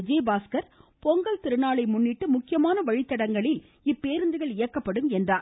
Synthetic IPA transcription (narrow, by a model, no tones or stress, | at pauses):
d͡ʒeːbaːskɐɾpɔŋɡɐlt̪ɪɾɯnaːɭɐɪmʊnːɪʈːɯmʊkːɪjɐmaːnɐʋɐɻɪt̪ːɐɽɐŋɡɐɭɪl | ɪpːeːɾɯnd̪ɯɣɐɭɪjɐkːɐpːɐɽɯmɛndraː